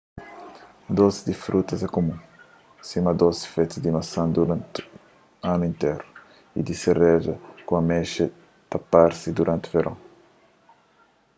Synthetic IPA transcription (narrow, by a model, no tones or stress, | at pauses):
d̪ozid̪ifɾut̪ɐzɛkomũ | simɐd̪ozi̥fet̪id̪imɐsɐ̃nd̪uɾãnt̪ | ãnuĩnt̪ejɾu | ḭd̪isereʒɐkũɐmɛʃɐ | t̪ɐpaɾsid̪uɾʔãnt̪uveɾʔɐ̰̃w̃